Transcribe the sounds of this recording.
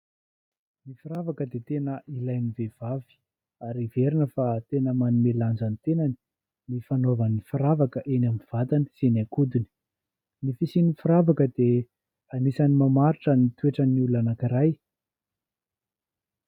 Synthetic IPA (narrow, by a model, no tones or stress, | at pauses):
nifiɾavakəd̪et̪enəʔilajnivev̥avi̥ | aɾiveɾinəfat̪enəmanumeland͡zanit̪enani̥ | nifanovanifiɾavakəʔenaminv̥at̪aniz̥enakud̪uni̥ | nifisinifiɾavakəd̪e | anisanimamaɾiʈ͡ʂənit̪ueʈ͡ʂəniulanakiɾaj